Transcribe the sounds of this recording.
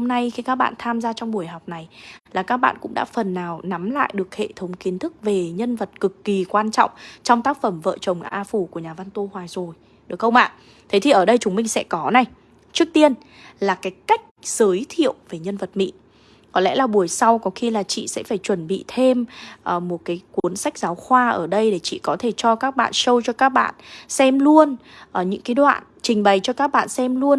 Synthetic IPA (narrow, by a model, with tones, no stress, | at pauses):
ho˧mna˧jxi˧kaː˦˥k̚ɓa̰ː˧˨nt̪ʰaː˧mzaː˧t͡ɕɔ˧wŋ͡mɓu˧˩əjɦa˨˩wk͡p̚na˨˩jlaː˨˩kaː˦˥k̚ɓa̰ː˧˨nkʊ̰˧˥ŋ͡mɗa̰ː˧˥fə˨˩nːaː˨˩wna˨˦mla̰ː˧˨jɗɨ˨˩ək̚hḛ˧˨t̪ʰə˨˦wŋ͡mki˨˦ənt̪ʰɨ˦˥k̚ve˨˩ɲə˧nvə˨˩t̚kɨ˨˩kːi˨˩kwaː˧nt͡ɕɔ̰˧˨wŋ͡mt͡ɕɔ˧wŋ͡mt̪aː˦˥k̚fə˧˩mvə̰ː˧˨t͡ɕə˨˩wŋ͡mʔaː˧fu˧˩ku˧˩əɲaː˨˩va˧nt̪o˧hwaː˨˩jzo˨˩j | ɗɨ˨˩ək̚xə˧wŋ͡mʔa̰ː˧˨ | t̪ʰe˨˦t̪ʰi˨˩ʔəː˧˩ɗə˧jt͡ɕʊ˨˦ŋ͡mmï˧ŋ̟sɛ̰˧˥kɔ˨˦na˨˩j | t͡ɕɨ˦˥ək̚t̪i˧ən | laː˨˩kaː˨˦jka˦˥jk̟̚z̥əː˨˦jt̪ʰḭ˧˨əwve˨˩ɲə˧nvə˨˩t̚mḭ˧˥ | kɔ˨˦lɛ̰˧˥laː˨˩ɓu˨˩əjsa˧wkɔ˨˦xi˧laː˨˩t͡ɕḭ˧˨sɛ̰˧˥faː˧˩jt͡ɕwə˧˩nɓḭ˧˨t̪ʰe˧mʔəː˨˩mo˨˩t̚kaː˨˦jkwu˨˦ənsa˦˥jk̟̚zaː˨˦wxwaː˧ʔəː˧˩ɗə˧jɗe˧˩t͡ɕḭ˧˨kɔ˨˦t̪ʰe˧˩t͡ɕɔ˧kaː˦˥k̚ɓa̰ː˧˨nsə˧wt͡ɕɔ˧kaː˦˥k̚ɓa̰ː˧˨nsɛ˧mlu˧ən | ʔə˨˩ɲɨ̰˧˥ŋkaː˨˦jɗwa̰ː˧˨n | t͡ɕï˨˩ŋ̟ɓa˨˩jt͡ɕɔ˧kaː˦˥k̚ɓa̰ː˧˨nsɛ˧mlu˧ən